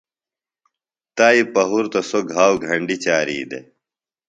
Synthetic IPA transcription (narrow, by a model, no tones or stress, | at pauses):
t̪aːipɐɦuɾt̪osoɡʱaːwɡʱɐɳɖit͡ɕaːɾḭːd̪ḛ